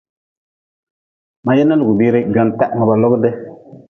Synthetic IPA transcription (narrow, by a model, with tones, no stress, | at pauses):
ma˨jɛ˦nːa˦lu˨ɡu˨bi˦ɾɪ˦ɡɔ˨ntɛ˦ʔŋɔ˨ba˨lɔ˦ɡdɪ˦